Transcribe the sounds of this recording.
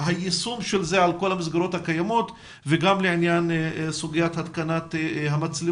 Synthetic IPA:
ɦajesumʃelzeʕalko̞lhamis̬ɡaɾo̞t̪hakajamo̞t̪ | veɡamleʕinjansuɡijat̪hat̪kanat̪ɦamat͡sli

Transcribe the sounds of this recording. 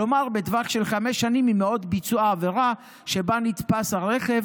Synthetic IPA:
omaʁbed̪vaχʃe̞lχameʃːanimimeo̞d̪bit͡suaːveʁa | ʃebanit̪pashaʁeχev

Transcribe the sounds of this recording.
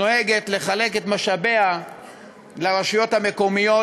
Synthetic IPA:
oeɡe̞t̪le̞χaleke̞t̪maʃabe̞a | laʁaʃujo̞t̪hame̞ko̞mijo̞

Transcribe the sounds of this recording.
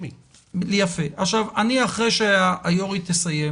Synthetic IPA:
i | lejafe̞ʔaχʃavaniaχʁejʃeaʔːjoʁit̪esaje

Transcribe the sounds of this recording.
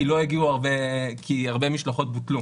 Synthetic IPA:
ilo̞eɡiuaʁbekʰiaʁbe̞miʃlaχo̞t̪̚butlu

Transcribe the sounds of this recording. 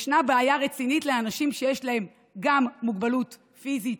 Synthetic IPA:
ʃnabeajaʁet͡sinitleanaʃimʃejeʃlahe̞m | ɡamːuɡbalut | fizit

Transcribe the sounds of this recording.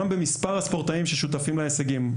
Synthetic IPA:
ambemispaʁhaspoʁt̪aimʃeʃut̪afimleeseɡim

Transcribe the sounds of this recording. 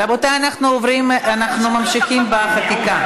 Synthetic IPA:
abot̪aanaχnuovɾimanaχnumamʃiχimbaχat̪ika

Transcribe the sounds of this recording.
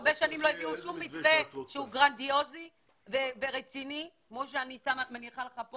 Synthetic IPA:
beʃanimloeviuʃumːitveʃeuɡʁand̪io̞zi | veveʁet͡sinikmoʃ̬eanisamamaniχaleχapo

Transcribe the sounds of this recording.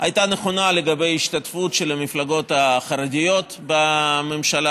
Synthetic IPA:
ajt̪aneχo̞naleɡabe̞jiʃt̪at̪futʃelamiflaɡo̞t̪aχaɾadʲijo̞t̪bame̞mʃala

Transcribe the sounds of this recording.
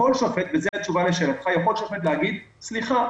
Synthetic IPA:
olʃofet̪vezeat͡ʃuvaleʃelat̪χajaχo̞lʃofet̪lehaɡid̪sliχa

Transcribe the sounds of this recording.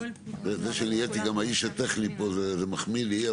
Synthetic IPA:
zezeʃenijet̪iɡamaiʃat̪eχnipozezemaχmili

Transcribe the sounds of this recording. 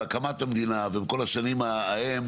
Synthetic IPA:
akamat̪amd̪inavebko̞laʃanimaːhem

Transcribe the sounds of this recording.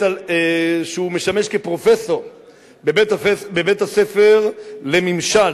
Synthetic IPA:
aeʃumeʃameʃkepɾofeθo | bebet̪febebet̪aθefeɾlemĩmʃa

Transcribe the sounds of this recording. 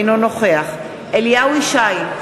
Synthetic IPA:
nono̞χe̞aχ | ʔeliawiʃaj

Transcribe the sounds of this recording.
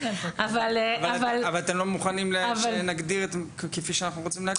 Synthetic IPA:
avalvaavalavalat̪emlomuχanimlevanaɡd̪iʁet̪ | kefiʃeanaχnuʁot͡simlea

